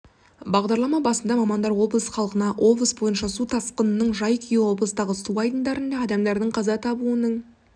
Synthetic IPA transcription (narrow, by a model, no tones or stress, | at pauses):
bɑʁd̪ɑɾlˠɑmɑbɑsənd̪ɑmɑmɑnd̪ɑɾwo̞bəəsχɑlˠqənɑʔo̞bəsbo̞jənʃɑsut̪ʰɑsqənənəɴʒɑjkʲʰʏjewo̞blˠəst̪ɑʁəsuɑjd̪ənd̪ɑɾənd̪ɑːd̪ɑmd̪ɑɾd̪əɴqʰɑzɑt̪ʰɑbuənəɴ